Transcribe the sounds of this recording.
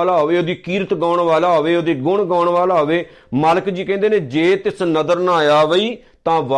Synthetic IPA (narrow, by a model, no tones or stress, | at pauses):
laːɦoːʋeːoːd̪iːkiːɾət̪ɡaːɳʋaːlaːɦoːʋeːoːd̪iːɡʊɳɡãːɳʋaːlaːoʋeː | maːləkd͡ʒiːkɛ̃ːnd̪eːnẽːd͡ʒeːt̪ɪsnəd̪əɾnãːjaːʋəiː | t̪ãːʋa